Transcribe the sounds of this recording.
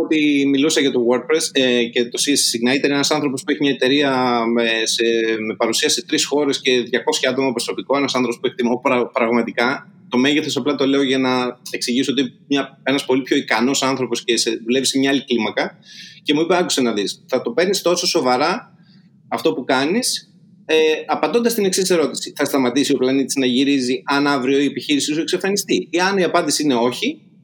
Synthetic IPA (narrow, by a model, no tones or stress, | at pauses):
ot̪imilusɐʝɐt̪o̞woɾt̪̚pɾesece̞t̪o̞sissiɣnɐit̪eɾenɐsɐnθɾo̞po̞spueçimɲɐet̪e̞ɾiɐmeseme̞pɐɾusiɐsiet̪ɾisxo̞ɾe̞sce̞ðʝɐko̞sçɐɐt̪o̞mɐpɾoso̞piko̞enɐsɐnθɾo̞po̞spueçit̪imoɾɐpɾɐɣmɐt̪ikɐ | t̪o̞meʝeθo̞sɐplɐt̪o̞le̞o̞ʝɐnɐe̞ksiʝisoot̪imɲɐe̞nɐspo̞lipço̞ikɐno̞sɐnθɾo̞po̞sce̞seðule̞visemɲɐɐliklimɐkɐce̞muipeɐku̥se̞nɐðisθɐt̪o̞pe̞ɾnist̪o̞so̞so̞vɐɾɐ | ɐft̪o̞pukɐnis | eɐpɐd̪o̞nd̪ɐst̪ine̞ksisse̞ɾo̞t̪i̥siθɐst̪ɐmɐt̪isio̞plɐnit̪i̥znɐʝiɾiziɐnɐvɾio̞ie̞piçiɾisisue̞ksefɐnist̪iiɐniɐpɐnd̪isiine̞o̞çi